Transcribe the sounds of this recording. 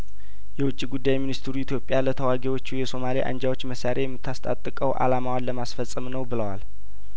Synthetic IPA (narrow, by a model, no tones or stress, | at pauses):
jɛwʊt͡ʃʼːiɡud̪ːajminist̪ʰɾuit̪ʰjo̞pʼjalət̪ʰəwaɡiwo̞t͡ʃːujɛso̞maliʔa̰nd͡ʒawo̞t͡ʃːməsaɾʔejɛmːɨt̪ːast̪ʼa̰t̪ʼːɨkʼəwʔa̰lamawanləmasfəsʼɨmnəwbɨləwal